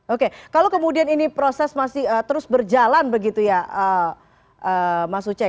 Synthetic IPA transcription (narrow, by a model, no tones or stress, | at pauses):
okekalokəmudianinipɾosɛsmasɪhət̪əɾʊsbərd͡ʒalanbəɡit̪ujaʔə | ʔəmasut͡ʃa